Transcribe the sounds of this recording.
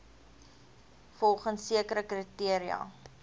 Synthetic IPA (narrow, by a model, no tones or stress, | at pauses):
fɔlˠχənsːiəkəɾəkritiəɾiɐ̰